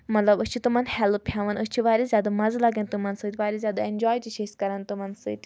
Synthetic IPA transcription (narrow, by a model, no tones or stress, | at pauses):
mɐt̪lɐbɨt͡ʃʰut̪umɐnhɛlppʰjaːʋɐnɨt͡ʃʰiʋaːɾizʲjaːd̪amɐzlɐɡɐnt̪umɐnsɨːt̪ʰʲʋaːɾizʲjaːd̪aenʲd͡ʒɔːjt͡ʃiʃʰeskɐɾɐnt̪umɐnsɨ̰t̪ʰʲ